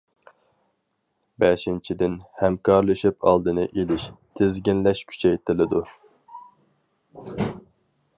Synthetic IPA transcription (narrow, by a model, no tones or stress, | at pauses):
bɛʃint͡ʃʰid̪ɪnhɛmkʰɑɾlˠɨʃipʰɑ̰lˠd̪ɨnɨʔelɪʃt̪ʰɪzɡʲinlɛʃkʲʰy̥t͡ʃʰɛjt̪ʰɪlɪd̪u